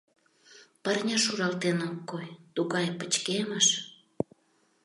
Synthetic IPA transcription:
pərnʲɑʃuɾɑlt̪enokːojt̪uɣɑjpət͡ɕkeməʃ

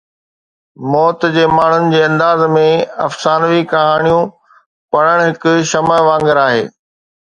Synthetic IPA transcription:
mɔːt̪d͡ʑeːmaːɳ̤ʊnɪ̆d͡ʑeːɐ̃nd̪aːzmẽɐfsaːnʋikɐɦaːɽ̃ijũ | pɐɽ̃əɽ̃ɦɪkʊʃɐməʋãːŋɡəɾaːɦeː

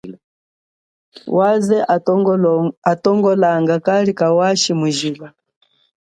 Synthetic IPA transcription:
wazɛ | atɔŋɡɔlaŋɡakalikawaʃimuʒila

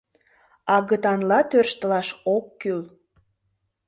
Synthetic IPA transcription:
ɑɣət̪ɑnlɑt̪ørʃt̪əlɑʃokːyl

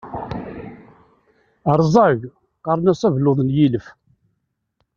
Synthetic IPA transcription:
əɾˤzˤɑʝ | qɑɾˤnæsævlʊðˤnjiləf

